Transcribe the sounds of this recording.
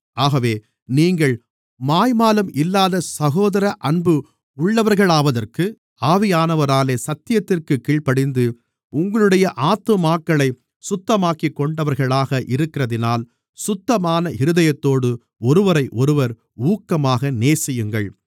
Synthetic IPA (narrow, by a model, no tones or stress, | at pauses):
aːɣɐʋeː | niːŋɡɐɭ | maːjmaːlɯmʔɪlːaːðɐsɐɣoːðɐɾɐʔɐɳbɯ | ʊɭːɐʋɐɾɣɐɭaːʋɐðɐrkɯ | aːʋɪjaːnɐʋɐɾaːleːsɐt̪ːɪjɐt̪ːɪrkɯkiːɭpɐɽɪnd̪ɯ | ʊŋɡɐɭɯɽɐjɐʔaːt̪mɯmaːkːɐɭɐɪ | sʊt̪ːɐmaːkikːɔɳɖɐʋɐɾɣɐɭaːɣɐʔɪɾɯkːɪrɐðɪnaːl | sʊt̪ːɐmaːnɐʔɪɾɯðɐjɐt̪ːoːɽɯ | ɔɾɯʋɐɾɐɪʔɔɾɯʋɐɾ | uːkːɐmaːɣɐneːsɪjɯŋɡɐɭ